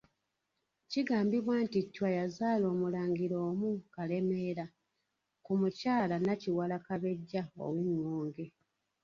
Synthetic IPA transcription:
ciɡaːmbiβwaːntitːwajazaːlo̞ːmulaːɲɡiɾo̞ːmukale̞me̞ːɾa | kumucaːlanaciwalakaβe̞ɟːao̰winwoːŋɡe̞

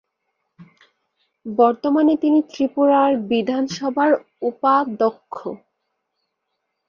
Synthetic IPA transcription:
bɔɾt̪omanet̪init̪ɾipuɾaɾbid̪ʱanʃɔbʱaɾ | upad̪okʰːo̰

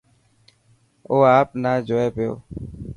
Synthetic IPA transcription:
oːaːpnaːd͡ʒoːeːpjo̰ː

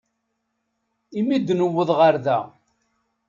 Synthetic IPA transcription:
imid̪ːnəwːəðˤʁəɾðæ̰

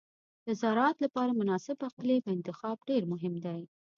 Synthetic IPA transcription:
d̪̥əzɑɾɑt̪lapɑɾamʊnɑsɪbaqlepəɪnt̪ɪxɑb̚ɖeɾmʊɦɪmd̪aj

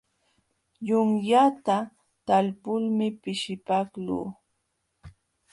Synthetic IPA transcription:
jʊŋjat̪a | t̪alpʊlmɪpɪʃɪpaklṵː

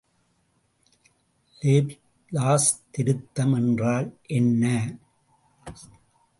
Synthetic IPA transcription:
leːb | laːst̪ɪɾɯt̪ːɐmɛndraːlʔɛnːɐ

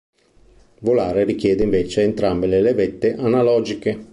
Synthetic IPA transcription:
lvolaːɾerik̟jɛːd̪eiɱveːt͡ʃeent̪ɾambelelevet̪ːeʔanalɔːd͡ʒike

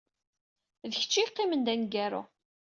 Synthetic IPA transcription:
ðəçə̥t͡ʃːiqːimənd̪ænɡæɾʊ̰

